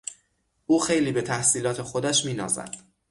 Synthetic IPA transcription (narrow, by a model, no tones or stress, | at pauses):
ʔuːxe̞jliːbe̞t̪ʰæhsiːlɒːt̪ʰe̞xo̞d̪æʃmiːnɒ̰ːzæ̰d̪̥